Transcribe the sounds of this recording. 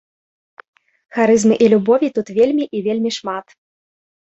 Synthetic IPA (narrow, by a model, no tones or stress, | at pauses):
xaɾɨzmɨʔilʲubɔvʲit̪ut̪vʲelʲmʲiʔivʲelʲmʲiʂmat̪